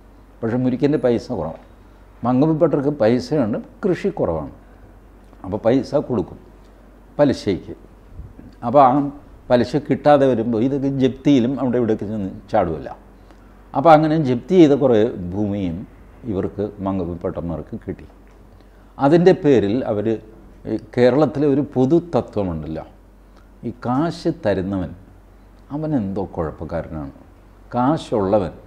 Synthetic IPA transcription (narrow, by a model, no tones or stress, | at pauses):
pɐkʂemuɾikʲːendɐpɐjsɐkurɐ̰ʋa̰ | mɐŋɡɐpupːeʈːɐrkːɨpɐjsɐjeːɳɨkrɨʂikːurɐ̰ʋa̰ːɳɨ | ɐpːoːpɐjsɐkoɽukːum | pɐliɕɐjikʲːɨ | ɐpːoaː | pɐlɐɕɐkiʈːaːðeʋɐɾumboiðokːed͡ʑeb̚t̪ijilumɐʋiɽeʋiɽɐkːinːɨnːɨt͡ɕaːɽuʋɐ̰lːɐ̰ | ɐpːoɐŋːɐned͡ʑe̞b̚t̪ijejðɐkurebʱuːmijum | iʋɐrkɨmɐŋɡɐʋupːeʈːɐnːɐʋɐrkːɨkiʈːi | ɐðinde̞pe̞ːɾilɐ̰ʋɐɾ | ke̞ːɾɐɭɐt̪ːilo̞ɾupo̞ðut̪ɐt̪ːwɐmuɳɖilːo̰ː | iːkaːɕɨt̪ɐɾunːɐʋɐn | ɐʋɐne̞nd̪o̞ːkːoɻɐpːɐkːaːɾɐna̰ːɳɨ̰ | kaːɕuɭːɐʋɐn